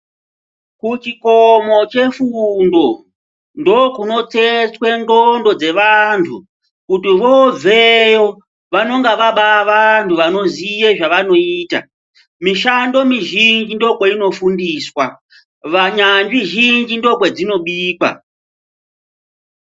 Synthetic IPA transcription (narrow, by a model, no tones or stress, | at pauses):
kut͡ʃikomo̞t͡ʃe̞fundo̞ | ndo̞kuno̞t͡se̞t͡swe̞ŋdondo̞d͡ze̞ʋantʰu | kutiʋob͡vʱejo | ʋano̞ŋɡaʋaɓaʋantʰuʋano̞zije̞ʐaʋano̞iːta̰ | miʃando̞miʒind͡ʒindo̞kweino̞fundiːswa | ʋaɲand͡ʒiʒind͡ʒindo̞kwe̞d͡zino̞ɓiːkwa̰